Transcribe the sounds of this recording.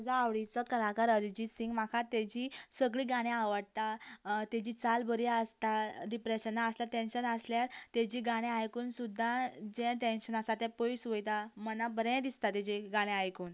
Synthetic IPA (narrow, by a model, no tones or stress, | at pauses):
d͡zaːʋɽit͡sɔt̪kəlakaɾəɾid͡ʑiːsĩŋɡmakʰat̪ɛd͡ʑiːsəɡɭiːɡaɽ̃jaʋəɽt̪at̪ɛd͡ʑiːt͡salbəɾiəst̪aɾipɾeɕənːaːsljaɾʈ̪ẽnɕənəsljaɾt̪ed͡ʑiːɡaɽ̃ẽajkuːnsud̪ʱːad͡ʑɛ̃ʈenɕənasat̪ɛ̃poisʋəjt̪amənabəɾɛ̃d̪ist̪at̪ɛd͡ʑiɡaɽ̃ẽajkuːn